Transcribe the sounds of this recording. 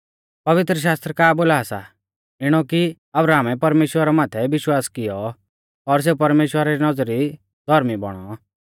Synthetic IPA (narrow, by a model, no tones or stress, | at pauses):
pɐʋɪt̪ɾəʃ̬aːst̪ɾəkaːboːlaːsa̰ | ɪɽ̃ɔki | ɐbɾaːmɛpɐɾmeːʃwəɾamaːt̪ʰɛʋɪʃwaːskɪjɔ | ɔɾs̬epɐɾmeːʃwəɾaɾinɔd͡zɾi | d̪ʱɔɾmibɔ̰ɽ̃ɔ